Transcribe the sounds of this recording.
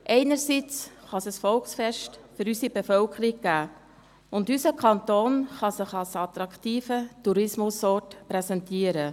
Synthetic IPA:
ʔɛɪnəɾsit͡sχɑsəsfɔlksfɛʃtfʏɾysibefœlkʰəɾiɡ̚ɡ̥æː | ʊndysəkʰχɑnt̪oːnχɑsɪχɑlsɑt̪ɾɑktiːfətuɾɪsmʊsɔːɾtpɾɛsɛntiːəɾə

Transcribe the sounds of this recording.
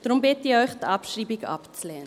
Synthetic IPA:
d̥ʁʊmbɪtiɔʏxtɑpʃriːbika̰pt͡slɛː

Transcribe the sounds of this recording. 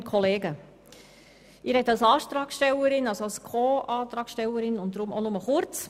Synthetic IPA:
kʰɔleːɡə | ɪːɾhɛtːɑlsɑːʃt̪ɾɑːksʃtɛləɾɪnɑlsoɑlskʰoːʔɑːt̪ɾɑːksʃtɛləɾɪnʊnt̚dɾʊmonʊməχʊɾt͡s

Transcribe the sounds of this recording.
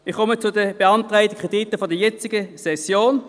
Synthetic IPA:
ɪχkʰɔmət͡sʊdəb̥eɑntʁaɪdəkʁed̥itəfɔdəɐjɛt͡sɪɡəsɛsjoːn

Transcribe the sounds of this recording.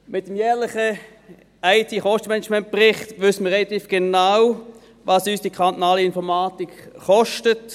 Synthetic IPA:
mɪt̚dəmjɛːʁlɪχə | aɪtʰiːχɔʃtəmɛnɛt͡ʃmɛnt̚pʁɪχtʋʏsəmiəʁɛlɑt̪iːfɡ̥enaw | vɑsyːsd̥ikʰʁɑnt̪ɔnɑːləɪnfɔʁmaːtik | χɔʃtət

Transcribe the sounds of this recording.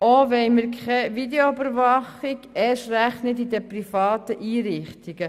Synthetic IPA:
oʋɛɪməɾkʰχɛʋideoybəɾʋɑχɪɡɛʃræχnət̪id̪əprifɑːt̪əʔiːɾɪχt̪iɡə

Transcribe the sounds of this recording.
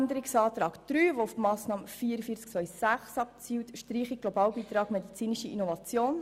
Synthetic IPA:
nd̪əɾiksɑːt̪ɾɑːkd̥ɾyːʋoʊfmɑːsnɑːməfiːəɾəfiəɾt͡sk̚t͡sʋœʏjsæχsɑp̚t͡siːwt̪ʃtɾiːχiɡ̚ɡ̥lobɑːwbiːt̪ɾɑːɡmɛd̪it͡siːniʃəʔḭnɔvɑt͡sjoːn

